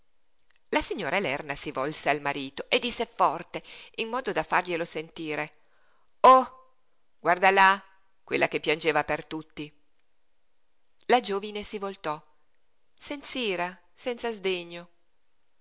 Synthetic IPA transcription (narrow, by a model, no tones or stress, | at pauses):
lasiɲːoːɾʔaelɛrnasivɔlsealmaɾiːt̪oʔed̪ːisːefɔrt̪einːɔːd̪od̪afːarʎelosent̪iːɾe | ɔ | ɡ̥ward̪ala | kwelːʔakepːjand͡ʒeːvapert̪ut̪ːi | lad͡ʒoːvinesivolt̪ɔ | sɛnt̪siːɾa | sɛnt̪sazd̪eɲːo